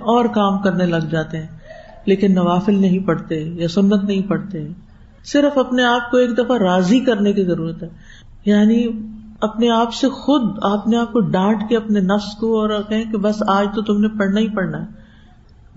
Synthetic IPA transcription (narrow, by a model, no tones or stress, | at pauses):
ɔːɾkaːmkɐɾnelɐɡd͡ʒaːt̪eɦɛ̃ː | leːkɪnːɐʋaːfɪlnɐɦĩpɐɽt̪eɦɛjasʊnːət̪nɐɦĩpɐɽt̪eɦɛː | sɪɾfɐpneaːp̚koeːkd̪ɐfaɾaːzikɐɾnekizɐɾuːɾət̪ɦɛː | jaːni | ɐpneaːpsexʊd̪aːpneaːp̚koɖãːʈkeɐpnenɐfskoɔːɾkɛɦẽkebɐsaːd͡ʒt̪ot̪ʊmnẽpɐɽnaɦĩpɐɽnaɦɛː